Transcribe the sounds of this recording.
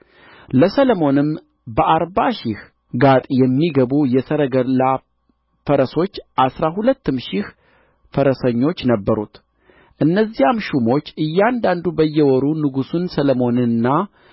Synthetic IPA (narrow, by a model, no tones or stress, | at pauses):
ləsələmo̞nɨm | bəʔaɾbaʃɪh | ɡat̪ʼjɛmːiɡəβujɛsəɾəɡəla | fəɾəso̞t͡ʃːʔasɾaɦulət̪ːɨmʃɪh | fəɾəsəɲːo̞t͡ʃːnəbːəɾṵt̪ | ʔɨnːəzijamʃumo̞t͡ʃːɨjːand̪and̪ubəjːɛwɔɾunɨɡusunsələmo̞nɨnːa